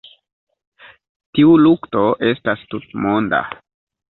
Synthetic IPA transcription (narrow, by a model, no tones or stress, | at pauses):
tiulukto̞ʔe̞stastutmo̞nda̰